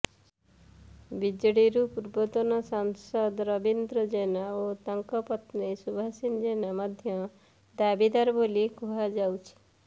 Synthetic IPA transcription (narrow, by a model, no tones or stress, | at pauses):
bid͡ʒɽiɾupuɾbɔt̪ɔnɔsɔŋsɔd̪ɾɔbind̪ɾɔd͡ʒenaot̪ɔŋkɔpɔt̪nisubʱasind͡ʒenamɔd̪ʱjɔ | d̪abid̪aɾbolikuɦad͡ʒawt͡ʃʰi̥